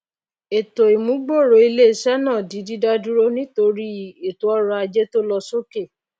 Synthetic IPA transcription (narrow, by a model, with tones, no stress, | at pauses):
e˨to˨i˨mũ˨˦ɡ͡bo˦˨ɾo˨˦i˧le˦i˦˨ʃɛ˦nãː˦˨di˨˦di˦da˦du˦ɾo˦nĩ˦to˧ɾi˦˨e˨to˨˦ɔ˦ɾɔ˧a˧d͡ʒe˦to˦lɔ˧so˦ke˦˨